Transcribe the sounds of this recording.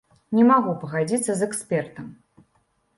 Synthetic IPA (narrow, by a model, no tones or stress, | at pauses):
nʲɛmaɣupɐɣad͡zʲit̪sːɐzɛkspʲɛrt̪ɐm